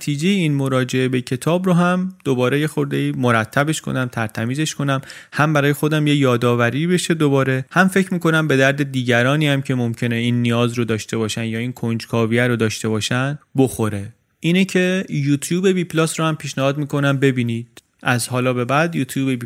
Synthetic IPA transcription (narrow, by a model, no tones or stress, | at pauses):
t̪ʰiːd͡ʒe̞jeiːnmoɾɒːd͡ʒe̞e̞be̞cʰe̞t̪ʰɒːbɾoɦæmd̪̥o̞bɒːɾe̞je̞xo̞ɾd̪eiːmo̞ɾæt̪ʰːæbe̞ʃkʰo̰næmt̪ʰæɾt̪ʰæmiːze̞ʃkʰo̞næmhæmbæɾɒːjexo̞d̪æmjejɒːd̪ɒːvæɾiːbe̞ʃed̪obɒːɾe̞hæmfecʰmiːko̞næmbe̞d̪æɾd̪e̞d̪iːɟæɾɒːniːhæmcʰe̞mo̞mcʰe̞ne̞iːnːijɒːzɾod̪ɒːʃt̪e̞βɒːʃænd̪jɒːiːnkʰond͡ʒkʰɒːvijæɾod̪ɒːʃt̪e̞bɒːʃænbo̞xo̞ɾe̞ | ʔiːnecʰe̞juːt̪ʰjuːbe̞biːpʰlɒːsɾohæmpʰiːʃnæhɒːd̪miːkʰo̞næmbe̞biːniːd̪̥ | ʔæzhɒːlɒːbe̞bæd̪juːt̪ʰjuːbebi